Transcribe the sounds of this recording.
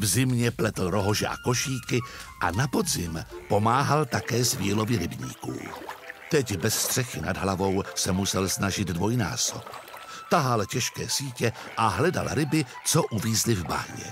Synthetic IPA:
vzɪmɲɛplɛt̪l̩ɾo̞ɦo̞ʒɛʔa̰ko̞ʃiːkɪʔanapo̞dzɪmpo̞maːɦalt̪akɛːzviːlo̞vɪɾɪbɲḭːkṵːt̪ɛcbɛsst̪r̥ɛxɪna̰dɦlavo̞wsɛmusɛlsnaʒɪd̪dvo̞jna̰ːso̰p̚t̪aɦalcɛʃkɛːsiːcɛʔaɦlɛda̰lɾɪbɪt͡soʔuviːzlɪvba̰ɲɛ̰

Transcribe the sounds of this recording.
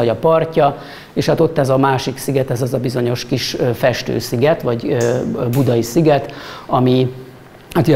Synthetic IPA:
ɒɟɒpɒrcɒ | eːʃhaːt̪o̞t̪ːɛzɒmaːʃiksiɡɛt̪ɛzɛzɒbizo̞ɲo̞ʃkiʃfɛʃt̪ø̰ːsiɡɛt̪ʋɒɟøbud̪ɒisiɡɛt̪ɒmi | hat̪j

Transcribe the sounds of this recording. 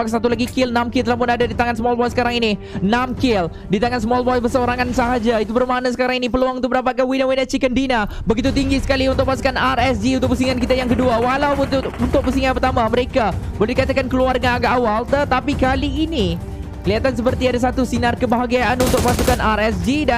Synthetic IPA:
aksat̪ulaɡikɪlnamkɪlt̪əlamp̬ʊnadadit̪aŋansəmɔlbɔjsə̥kaɾaŋini | namkɪl | dit̪aŋansəmɔlbɔjbərsəoɾaŋansaɦad͡ʒait̪ubərmanasə̥kaɾaŋinipəluaŋunubəndapat̪̚kanwinawinat͡ʃikəndina | bəɡit̪ut̪iŋɡisə̥kaliunt̪ʊk̚pas̬u̥kanarɛsd͡ʒiunt̪ʊk̚pəs̬iŋankit̪ajaŋkəduawalawunt̪ʊk̚pəsiŋanpərt̪amaməɾekabolɛdikat̪akankəluarɡaɡaʔawalt̪ət̪apikaliːni | kəliat̪ans̬əpərt̪iadas̬at̪usinarkəbaɦaɡiaanunt̪ʊk̚pasukanarɛsd͡ʒida

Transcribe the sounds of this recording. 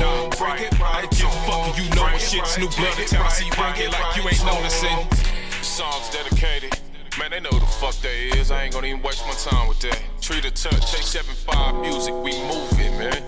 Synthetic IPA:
no | kɛtɹalaɪkjəfʌkjɨnoʊʃɪtsnublʌnɨkʰãnɨsib̃laɪkjɨẽɪ̃nːõʊnɨsɪ̃ | sɔ̃ŋzdɛɾɨkʰeɪɾɪd̥̚ | mɛ̃nðeɪnoʊðəfʌk̚deɪzaɪɛ̃ɡʌ̃nɨivɨ̃nweɪs̚maɪtʰãɪ̃mwɨðe | tʰɹ̥iɾɨtʰɜ˞tʰeɪk̚sɛvɨ̃nfaɪvmjuzɨkwimuvɪ̰̃tmæ̃n

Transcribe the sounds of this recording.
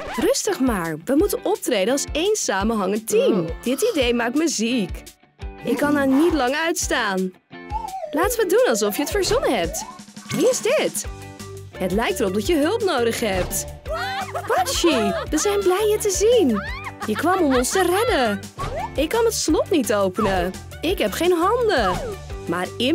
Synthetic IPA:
rɵstəχmaːɹʋəmutənʔɔp̚trejdənɑlˠsejnsaːmənɦɑŋəntimd̥ɪtidejmaːk̚tməzik | ʔɪkːɑnanitlɑŋœɥtstaːn | laːtəʋədunɑlˠs̬ɔfjəətfəɹzɔnəɦɛp̚tʋiɪzdɪt | hətlɛjk̚tərɔp̚dɑtjəɦɵlˠpnowdəχɦɛp̚t | pɑʃiʋəzɛjnblɛjjətəzinjəkʋɑmɔmɔnstərɛdə | ɪkːɑnətslɔtnitowpənə | ɪkɦɛpχejnɦɑndəmaːrɪ

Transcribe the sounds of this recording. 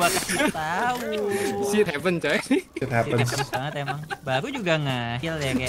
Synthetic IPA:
bakat̪ausit̪̚hɛpənt͡ʃajsit̪̚hɛpəənbaŋət̪̚emaŋbakud͡ʒuɡaŋahiljaka

